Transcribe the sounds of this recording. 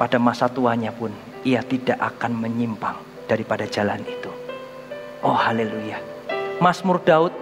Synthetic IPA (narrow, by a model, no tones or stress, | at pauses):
padamasat̪uaɲapʊn | iat̪idaʔakanməɲimpaŋ | d̥aɾipadad͡ʒalanit̪u | ʔɔhaleluja | masmʊrdaʊt̪̚